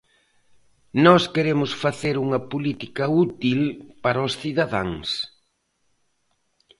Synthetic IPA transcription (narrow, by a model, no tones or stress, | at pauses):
nɔskeɾemʊsfaθeɾuŋɐpolit̪ikɐut̪ilpaɾɐosθiðaðaŋs